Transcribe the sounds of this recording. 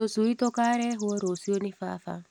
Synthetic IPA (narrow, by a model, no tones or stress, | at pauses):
osuit̪okaɾɛɦuoɾosionifa̰fa̰